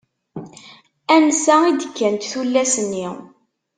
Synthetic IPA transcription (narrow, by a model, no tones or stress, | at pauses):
ænsæid̪əkːænt̪θulːæsənːi